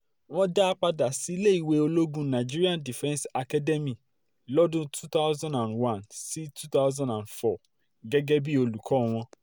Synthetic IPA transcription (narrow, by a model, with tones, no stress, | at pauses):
w̃ɔ̃˦da˦a˦k͡pa˧da˨si˨˦le˦i˨we˧o˧lo˦ɡũ˧nã˨d͡ʒi˦ɾi˦ã˦ndi˨fɛ̃˦nsa˧ka˦dɛ˦mĩ˨ | lɔ˦dũ˦tʰu˦ta˦zã˦nã˨nwã˨nsi˦tʰu˦ta˦ʊzã˦˨nã˨nfɔ˨ | ɡɛ˦ɡɛ˦bi˦o˧lu˨kʰɔ˨˦w̃ɔ̃˧